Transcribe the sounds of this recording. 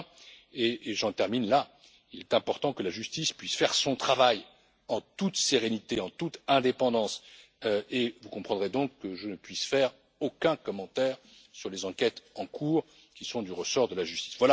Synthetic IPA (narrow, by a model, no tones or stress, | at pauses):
eːʒɑ̃t̪ɛʁminla | ilɛt̪ɛ̃pɔʁt̪ɑ̃kəlaʒyst̪ispɥisfɛʁsɔ̃t̪χavaj | ɑ̃t̪ut̪seʁenit̪eɑ̃t̪ut̪ɛ̃d̪epɑ̃d̪ɑ̃s | øevukɔ̃pχɑ̃d̪ʁed̪ɔ̃kːəʒənəpɥisfɛʁ | okʲɛ̃kɔmɑ̃t̪ɛʁ | syʁlezɑ̃kʲɛt̪ɑ̃kʰuːʁ | kʲisɔ̃d̪yʁəsɔʁd̪əlaʒyst̪i̥svwala